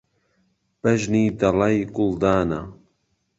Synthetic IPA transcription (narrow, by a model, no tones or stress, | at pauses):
b̥ɐʒniːd̪ɐlɑjɡʊld̪aːna̰